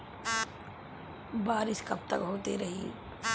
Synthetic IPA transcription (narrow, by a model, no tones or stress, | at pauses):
baːɾɪʃkɐb̚t̪ɐkɦoːt̪eɾɐɦḭ